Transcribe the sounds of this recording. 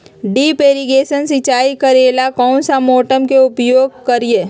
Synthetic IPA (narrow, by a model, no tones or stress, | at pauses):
ɖiːpeːɾiɡeːʃənsɪt͡ʃaːikəɾeːlakɔːnsamoːʈəmkeʊpjoːɡ̚kəɾije